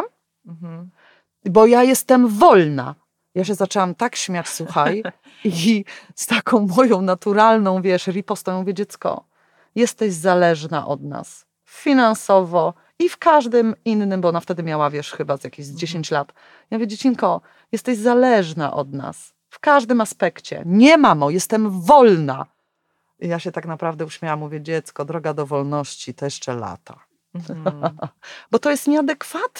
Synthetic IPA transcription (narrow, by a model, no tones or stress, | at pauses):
m̩ | bɔjajɛst̪ɛmvɔlna̰ | jaɕ̬ɛzat͡ʂɛwamt̪akɕmʲjat͡ɕsuxaj | iist̪akʰɔ̃w̃mɔjɔ̃w̃nat̪uɾalnɔ̃w̃vʲjɛʂɾʲipɔst̪ɔjɔ̃muvʲjed͡ʑɛt̪skɔ̰ | jɛst̪ɛʑzalɛʐna̰ʔɔ̰d̪na̰s | fʲinansɔvɔ | ifkaʐd̪ɘminːɘmbɔɔnaft̪ɛd̪ɘmʲjawavʲjɛʂxɘbazjakʲiʑzd͡ʑeɕeɲt͡ɕlat̪ | jamuvʲjed͡ʑet͡ɕiŋkɔ | jɛst̪ɛʑzalɛʐna̰ʔɔd̪na̰s | fkaʐd̪ɘmaspɛkt͡ɕɛ̰ɲɛmamɔjɛst̪ɛmvɔlna̰ | ijaɕɛt̪aknapɾavd̪ɛuɕmʲjawamːuvʲjɛd͡ʑɛt̪skɔd̪ɾɔɡad̪ɔvɔlnɔɕt͡ɕit̪ɔjɛʂt͡ʂɛla̰t̪a | bɔt̪ɔjɛst̪ɲɛad̪ɛkfat̪